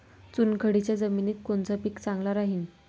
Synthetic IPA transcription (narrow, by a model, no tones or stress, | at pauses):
t͡sunkʰəɽit͡ɕjad͡zəminiːt̪̚kont͡sapikt͡sãŋɡlaɾaɦiːn